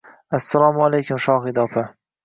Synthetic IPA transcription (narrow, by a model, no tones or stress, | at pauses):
asːalɑːmalejkʰʲʊmʃɑːxid̪ɒːpʰɪ